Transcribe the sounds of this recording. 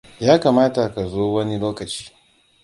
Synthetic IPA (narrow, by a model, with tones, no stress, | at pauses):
jaː˦ka˨maː˦ta˨ka˨zoː˦wɐ˦ni˦loː˦kɐ˨t͡ʃi̥ː˦